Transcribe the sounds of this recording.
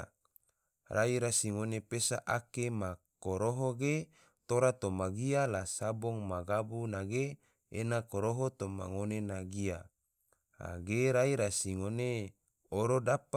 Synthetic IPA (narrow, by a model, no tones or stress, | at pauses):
raiɾasiŋonepesaʔakemakoɾoɦoɡe | t̪oɾat̪omaɡialasaboŋmaɡabunaɡe | enakoɾoɦot̪oma̰ŋonenaɡia | a̰ɡeɾaiɾasiŋone | oɾodapa